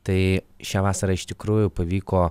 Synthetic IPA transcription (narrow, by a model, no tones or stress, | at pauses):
t̪ɐɪʃʲæːʋɑːsɐɾɐːɪʃt̪ʲɪkɾuːjʊpɐʋʲiːkoː